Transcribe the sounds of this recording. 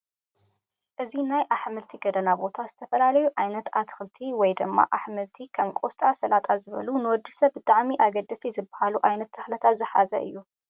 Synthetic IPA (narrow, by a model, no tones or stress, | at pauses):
ʔɨzinajʔaħmɨlt̪ʰiɡɐd̪ɐnabo̞t̪ʰaz̥ɨt̪ʰɐfɐlalɐjuʕajnɐt̪at̪xɨlt̪ʰiwɔjd̪ɨmːa̰ʔaħmɨlt̪ʰikʰɐmkʼost̪ʼasɐlat̪ʼazɨβɐ̰lunɨwɔd̪ːisɐβbɨt̪ʼaʕmiʔaɡɐd̪ɐsʰizɨbːahaluʔajnɐt̪ʰːɐxlɐt̪ʰat̪zɨħa̰zɐ̰ʔɨ̰jːu